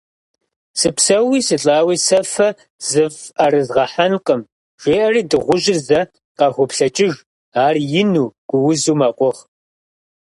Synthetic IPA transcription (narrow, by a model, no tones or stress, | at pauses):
sɨpsɐwiːsɨɬʼaːwiːsɐfɐ | z̥ɨvɐrɨzʁɐħanqʼəm | ʒ̥ʷeːʔɐriːdɨʁʷʊʒɪrzɐ | qɑxʷɔpɬɐt͡ʃʼɪʒ | aːrjɪnuːɡ̥ʷʊwzuːmaːqʷʼɔʁ